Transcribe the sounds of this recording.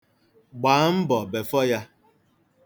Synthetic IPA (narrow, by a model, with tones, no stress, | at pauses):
ɡ͡baː˨˦m̩˦bɔ˨be˨fɔ˦ja˦